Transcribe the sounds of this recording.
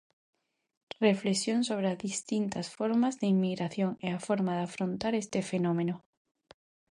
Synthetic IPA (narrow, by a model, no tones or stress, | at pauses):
reflesjonsoβ̞ɾeazðist̪int̪asfoɾmazðeimːiɣɾaθjoŋeafoɾmaðafɾõnt̪aɾest̪efenõmẽno